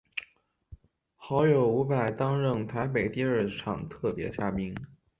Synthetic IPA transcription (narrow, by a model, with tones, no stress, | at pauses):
xɑ˧˥ʊjo˨˩ʊu˧˥pa˨˩ɪt̪ɑ˥ŋɻə˥˩ŋt̪ʰa˧˥ɪp̬e˨˩ɪt̪i˥˧ə˞˥˩ʈ͡ʂʰɑ˨˩ŋt̪ʰɤ˥˩pjɛ̰˧˥t͡ɕja˥pi˥ŋ